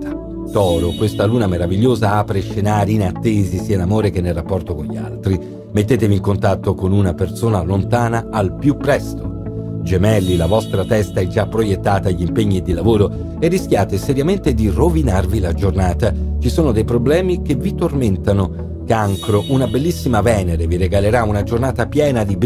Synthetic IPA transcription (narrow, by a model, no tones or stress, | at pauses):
a | t̪ɔːɾokwest̪aluːnameɾaviʎːoːzaaːpɾeʃenaːɾiːnat̪ːeːzisiːainamoːɾek̟enːelrːapːɔrt̪okoɲʎːia̰lt̪ɾi | met̪ːeːt̪eviːŋkont̪at̪ːokonunapersoːnalont̪aːnaːlpjupːɾɛst̪o | d͡ʒemɛlːilavɔst̪ɾat̪ɛst̪aɛd͡ʒapːɾojet̪ːaːt̪aʎimpeɲːid̪ilavoːɾo | erːisk̟jaːt̪esɛɾjament̪ed̪irovinarvilad͡ʒornaːt̪at͡ʃisoːnod̪ejpɾoblɛːmikevit̪orment̪ano | kaŋkɾoʔunabelːisːimavɛːneɾeviɾeɡaleɾaunad͡ʒornaːt̪apjɛːnad̪ib